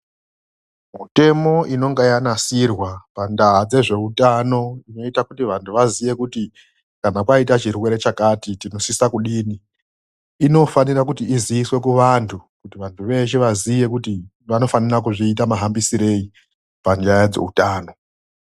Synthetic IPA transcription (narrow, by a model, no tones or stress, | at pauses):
mute̞mo̞ʔino̞ŋɡajanasirwapandaɦad͡ze̞ʐe̞utano̞ino̞itakutiʋantʰuʋazije̞kuti | kanakwaitat͡ʃirwe̞ɾe̞t͡ʃakatitino̞sisakuɗiːniː | no̞fanirakutiːzijiswe̞kuʋantʰukutiʋantʰuʋe̞ʃeʋazije̞kuti | ʋano̞fanirak̬uʐiːtamaɦambisiɾe̞i | pand͡ʒajad͡ze̞̰utaːno̞